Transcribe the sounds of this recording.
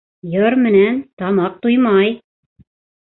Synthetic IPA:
jɤɾmɘ̆nænt̪ɑmɑq̚t̪ujmɑj

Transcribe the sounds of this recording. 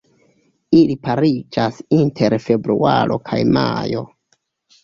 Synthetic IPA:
ilipaɾid͡ʒasintʰe̞ɾfe̞bɾuaɾo̞̰kʰajmajo̞

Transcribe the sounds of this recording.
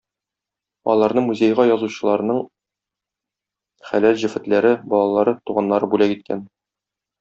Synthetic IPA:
ɒ̰lˠɑɾnɤɴmuzʲejʁɑjɒzuɕɤ̆lˠɑɾɤ̆nɤɴ | χælælʑɘ̆fɘ̆t̪læɾɘbɒlˠɑlˠɑɾɤt̪uʁɑnːɑɾɤbulækit̪̚kʰæ̰n

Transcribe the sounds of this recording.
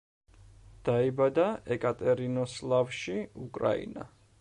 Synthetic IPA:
d̪̥aibad̪aɛkʼat̪ʼɛɾinɔslˠavʃiukʼɾa̰ḭna̰

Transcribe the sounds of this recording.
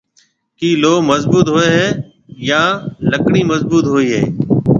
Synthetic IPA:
kiːloːməzbuːt̪ɦoːeːɦɛː | jãːləkɳiːməzbuːt̪ɦoːiːɦḛː

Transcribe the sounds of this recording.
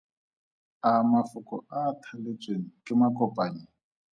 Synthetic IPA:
amafʊkʼɔatʰalet͡sʼweŋikʼɪmakʼɔpʼaːɲi

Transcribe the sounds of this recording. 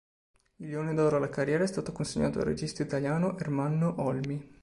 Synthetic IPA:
miljoːnid̪ɔwɾoalakarːjɛːɾaɛst̪aːt̪okonseɲːaːt̪oa̰rːḛd͡ʒist̪oit̪aljaːnoʔermanːoʔɔlmi

